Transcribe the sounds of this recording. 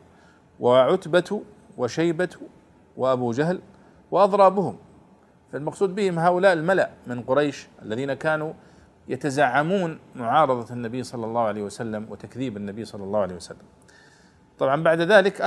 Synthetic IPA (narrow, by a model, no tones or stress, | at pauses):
waʕʊt̪bat̪ | waʃajbat̪ | waʔabuːd͡ʒaɦl | waʔɑðˤɾˤɑːbʊhʊm | falmɑqsˤuːd̪bɪhɪmɦaːʔʊlaːʔɪlmalaʔmɪnqʊɾˤɑjʃʔalːaðiːnakaːnu | jat̪azaʕːamuːnmʊʕɑːɾˤɑðˤɑnːabijːsˤɑlːɑlːɑːhʕalejːhwasalːamwɪ̰t̪akðiːbanːabiːsˤɑlːɑlːɑːhʊʕalejhjwasalːam | t̪ˤɑbʕɑmbaʕd̪ðaːlɪkʔ